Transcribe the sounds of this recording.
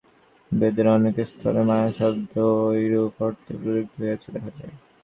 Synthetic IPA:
bed̪eɾɔnekest̪ʰɔ̰ɾemaeʃɔbd̪ojɾukɔɾt̪epɾiɾik̚t̪ɦojet͡ɕʰed̪ɛkʰalḛ

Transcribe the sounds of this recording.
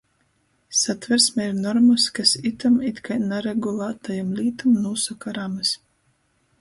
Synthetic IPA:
sat̪vɛɾsmɛiɾnɔɾmuskasit̪amit̪kajnaɾɛɡulˠaːt̪ajamlʲiːt̪umnuːsakaɾamɨs

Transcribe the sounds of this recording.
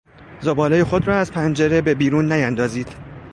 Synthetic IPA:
zobɒːlejexo̞d̪rɒːæzpʰænd͡ʒe̞ɾe̞be̞biːɾuːnːæjænd̪ɒːziːd̪̥

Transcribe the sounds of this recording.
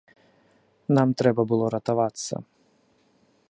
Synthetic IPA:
namt̪ɾɛbɐbɨlˠɔɾɐt̪avat̪sːɐ̰

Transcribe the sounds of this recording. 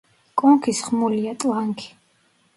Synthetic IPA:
kʼɔŋkʰisχmuliat̪ʼlaŋkʰi̥

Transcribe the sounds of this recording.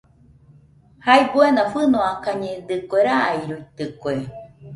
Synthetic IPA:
haibuenafɨnoakaɲed̪ɨkʷeɾaaiɾuit̪ɨkwe

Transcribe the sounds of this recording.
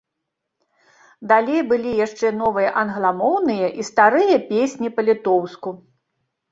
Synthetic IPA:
d̪alʲejbɨlʲijaʂt͡ʂɛnɔvɨjɐʔɐnɣlˠamɔwnɨjɐʔist̪aɾɨjɐpʲesʲnʲipɐlʲit̪ɔwsku

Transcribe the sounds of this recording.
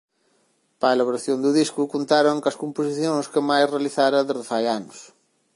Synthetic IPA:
paelaβoɾaθjond̪ʊðiskukont̪aɾoŋkɐskomposiθjõŋskɪmajsrealiθaɾɐðezðɪfajanʊs

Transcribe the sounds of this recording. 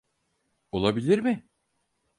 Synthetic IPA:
o̞lˠabilʲiɾmɪ

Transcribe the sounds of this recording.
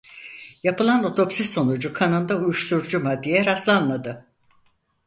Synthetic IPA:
japɯlˠano̞t̪ʰo̞psisːo̞nud͡ʒukʰanɯnd̪aujuʃt̪ʰuɾd͡ʒumad̪ijɛɾaslˠanmad̪ɯ

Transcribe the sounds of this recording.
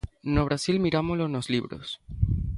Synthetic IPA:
noβ̞ɾasilmiɾamolonozliβɾo̰s

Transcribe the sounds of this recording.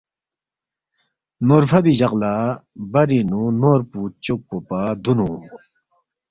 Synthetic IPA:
norfʰabiʑaqlabaɾinunoɾput͡ɕok̚popad̪unu

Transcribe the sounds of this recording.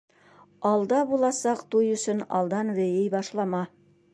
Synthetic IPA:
ɑlˠd̪ɑbulˠɑsɑqt̪ujɵ̆sɵnɑ̰lˠd̪ɑnβɘ̆jɘjbɑʃlˠɑmɑ

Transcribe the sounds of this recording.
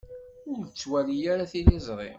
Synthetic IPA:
ʊɾət͡sːwælijaɾaθilɪzˤɾˤḭm

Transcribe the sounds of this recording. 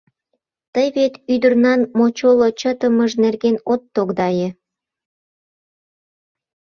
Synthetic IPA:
t̪əjβet̪yd̪ə̆rnɑnmot͡ɕolot͡ɕət̪ə̆məʒnerɡenot̪ːoɣd̪ɑje

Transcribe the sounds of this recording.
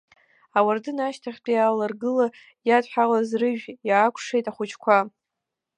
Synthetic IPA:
awardɨnaʃtʰaχʲpʼiaːlarɡɨla | jadħʷᶣalazrɨʒᶣjaːkʷʰʂejtʼaχʷʊt͡ʃʰkʷʰa

